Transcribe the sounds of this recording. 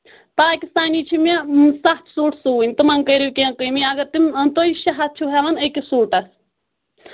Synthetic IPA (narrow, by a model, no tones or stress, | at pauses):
paːkʲist̪aːniːt͡ʃʰimesɐxt̪ʰsuːʈʰsuːinʲt̪ɨmɐŋkɐjɾijkʲeːnkəjmiɐɡɐt̪imnt̪oiʃɐɦɐt̪̚t͡ʃʰuɦɛʋɐnɐkisuːʈɐs